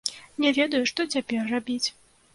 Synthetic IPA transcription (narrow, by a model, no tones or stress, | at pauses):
nʲɛvʲɛd̪ɐjuʂt̪ɔt͡sʲapʲɛrːabʲit͡sʲ